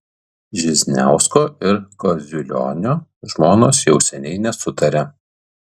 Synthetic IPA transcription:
ʒʲɪzʲnʲæ̰ˑʊskoːɪɾkɔzʲʊlʲɔ̰ːnʲoːʒmoːnoːsjɛʊsʲɛnʲɛɪnʲɛsʊt̪ɐɾʲɛ

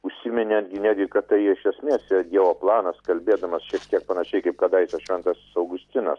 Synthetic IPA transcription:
ʊʃʲsʲɪmʲɪnʲɛd̪ʲɡʲɪnʲæːdʲɡʲɪkɐtt̪ːɐɪɪʃʲɛsʲmʲeːsjɛd̪ʲiɛʋoːplˠɑːnɐskɐlʲbʲeːd̪ɐmɐsʃʲiɛk̚t̪ʲiɛk̚pɐnɐʃʲɛɪkɐɪp̚kɐd̪ɑjɪsʲɐʃʲʋʲɛnt̪ɐssɐʊɡʊsʲt̪ʲɪnɐs

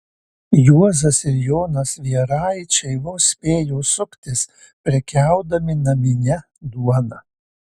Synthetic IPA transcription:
juɔzɐsɪɾjoːnɐsʋʲiɛɾɑːjt͡ʃʲɛɪʋʊsʲpʲeːjoːsʊkt̪ʲɪs | pʲɾʲɛkʲɛˑʊd̪ɐmʲɪnɐmʲɪnʲɛ | d̪uɔnɐ

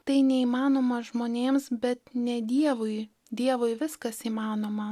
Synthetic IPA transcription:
t̪ɐɪnʲɛiːmɑːnoːmɐʒmoːnʲeːmsbʲɛt̪nʲɛd̪ʲiɛʋʊɪ | d̪ʲiɛʋoɪʋʲɪskɐsiːmɑːnoːmɐ

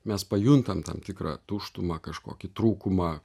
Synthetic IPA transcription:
mʲɛspɐjʊnt̪ɐmt̪ɐ̰mt̪ʲɪkɾɐ̰ːt̪uʃt̪ʊmɐkɐʃko̰ːkʲɪt̪ɾuːkʊmɑː

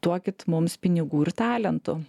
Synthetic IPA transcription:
t̪uɔkʲɪt̪mʊmspʲɪnʲɪɡuːɪɾt̪ɑːlʲɛnt̪ʊ

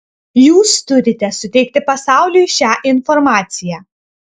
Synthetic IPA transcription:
juːst̪ʊɾʲɪt̪ʲɛsʊt̪ʲɛɪk̚t̪ʲɪpɐsɑˑʊlʲujʃʲæːʔɪnfɔɾmɑːt̪sʲɪjæː

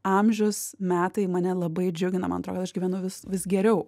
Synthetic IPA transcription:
ɐmʲʒʲʊsmʲæːt̪ɐɪmɐnʲɛlˠɐbɐɪd͡ʒʲʊɡʲɪnɐmɐ̰nɐt̪ɾoːkɐt̪ɐʃɡʲiʋʲænʊʋʲɪsʋʲɪsɡʲɛɾʲɛʊ

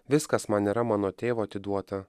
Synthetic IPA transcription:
ʋʲɪskɐsmɐniːɾɐmɑːnoːt̪ʲeːʋoːɐt̪ʲɪd̪uɔt̪ɐ

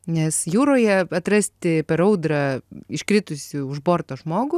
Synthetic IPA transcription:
nʲɛsjuːɾoːjɛɐt̪ɾɐsʲt̪ʲɪpʲɛɾɐʊd̪ɾɑɪʃkɾʲɪt̪ʊsʲɪʊʒboːɾt̪oːʒmoːɡʊ

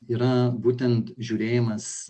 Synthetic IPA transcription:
iːɾɐbuːt̪ʲɛnt̪ʒʲuːɾʲeːjɪmɐs

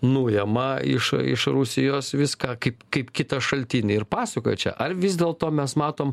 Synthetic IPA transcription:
nuːjɛmɐɪ̰ʃɪ̰ʃɾʊsʲɪjoːsʋʲɪskɑːkɐɪpkɐɪpkʲɪt̪ɐʃɐlʲt̪ʲiːnʲɪɪɾpɑːsʲɐkoːjɛt͡ʃʲɛ̰ʔɐrʋʲɪzʲd̪ʲeːlˠt̪oːmʲɛsmɑːt̪oːm

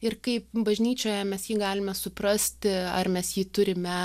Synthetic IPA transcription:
ɪrkɐɪpbɐʒʲnʲiːt͡ʃʲoːjɛmʲɛsjiːɡɑːlʲɪmʲɛsʊprɐsʲt̪ʲɪɐ̰rmʲɛsjiːt̪ʊɾʲɪmʲɛ

